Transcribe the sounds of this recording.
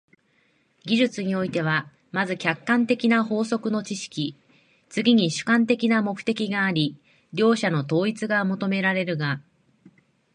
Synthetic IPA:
ɡʲiʑɨt͡sɨɲ̟io̞it̪e̞β̞a | mazɨkʲakːãnt̪e̞kʲinaɦo̞ːso̞kɯ̟no̞t͡ɕiɕi̥kʲi | t͡sɨɡʲiɲ̟iɕɨ̥kãnt̪e̞kʲinamo̞kɯ̟̥t̪e̞kʲiɡaːɾʲi | ɾʲo̞ːɕano̞t̪o̞ːit͡sɨɡamo̞t̪o̞me̞ɾaɾe̞ɾɯ̟ɡa

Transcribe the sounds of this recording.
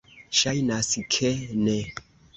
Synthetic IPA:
ʃajnaskʰene

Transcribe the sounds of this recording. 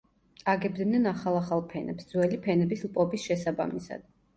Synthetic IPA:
aɡɛb̚d̪nɛnaχalˠaχalˠpʰɛnɛ̰psd̪zwɛlipʰɛnɛbislˠpʼɔbisʃɛsaba̰misa̰d̪̥̚

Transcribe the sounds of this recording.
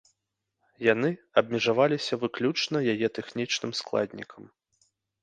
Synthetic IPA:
janɨɐb̚mʲɛʐavalʲisʲɐvɨklʲut͡ʂnɐjajɛt̪ɛxnʲit͡ʂnɨmsklˠa̰d̪ʲnʲḭkɐm

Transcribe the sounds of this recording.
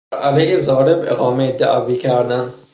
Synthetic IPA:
ʔælehezɒːɾebeɣɒːmed̪æ̰ʔæviːkʰæɾd̪æn

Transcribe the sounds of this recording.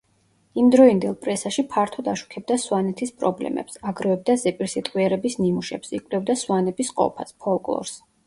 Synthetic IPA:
imd̪ɾɔind̪ɛlˠpʼɾɛsaʃipʰaɾt̪ʰɔd̪aʃu̥kʰɛb̚d̪aswanɛt̪ʰispʼɾɔblɛ̰mɛ̰psaɡɾɔɛb̚d̪azɛpʼiɾsit̪ʼqʼwiɛɾɛbisnimuʃɛpsikʼwlɛvd̪aswanɛbisqʼɔ̰pʰa̰spʰɔlˠkʼlˠɔ̰ɾs

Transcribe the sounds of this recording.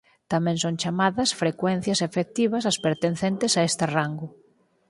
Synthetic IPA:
t̪amɛ̃ŋsoŋt͡ʃamaðɐsfɾekwɛn̟θjɐsefek̚t̪iβɐs̬ɐspeɾt̪enθent̪ɪsaest̪ɪraŋɡʊ

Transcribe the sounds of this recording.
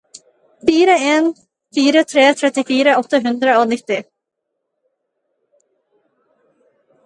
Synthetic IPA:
fiːɾaeːn | fiːɾət̪ʰɾeːt̪ʰɾɛt̪ɪfiːɾaɔht̪ːaɦʉnd̪ɾaɔnɪt̪ːɪ

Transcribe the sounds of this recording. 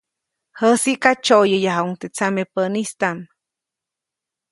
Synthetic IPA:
həsiʔkat͡ʃojəjaɦauŋt̪et͡samepənist̪an

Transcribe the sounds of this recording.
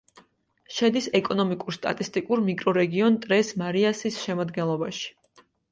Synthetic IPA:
ʃɛd̪isɛkʼɔnɔmikʼuɾst̪ʼa̰t̪ʼist̪ʼikʼuɾmikʼɾɔɾɛɡiɔnt̪ʼɾɛsmaɾiasisʃɛmad̪ɡɛnlˠɔbaʃi̥

